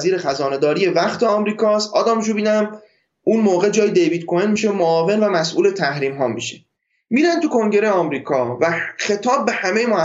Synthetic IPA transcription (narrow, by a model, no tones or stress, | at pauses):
ziːɾe̞xæzɒːne̞d̪ɒːɾije̞væχt̪ʰe̞ɒmɾiːkʰɒːst̪ʔɒːd̪ɒːmʃ̬ubiːnæm | unmoːɣe̞d͡ʒɒːjid̪e̞jvid̪̚kʰojenmiːʃemoɒːve̞nvæmæsʔuːle̞t̪ʰæhɾiːmɦɒːmḭːʃe | miːɾænt̪ukʰo̞ŋɟe̞ɾeɒmɾiːkʰɒːvæxe̞t̪ʰɒːb̚ːe̞hæme̞jemohæ